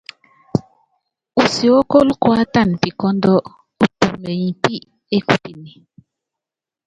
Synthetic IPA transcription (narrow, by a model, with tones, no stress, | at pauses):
u˨si˨o˦ko˦lkwa˦ta˦˨npi˨kɔ˦ndɔ˦ | u˦tu˨me˨ɲi˨pi˦ | e˦ku˨pi˨ni˨